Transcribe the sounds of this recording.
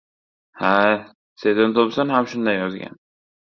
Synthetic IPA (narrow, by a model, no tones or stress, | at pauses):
ha | sed̪ɪnt̪ʰopsanhamʃʊnd̪ajːɒzɡʲa̰n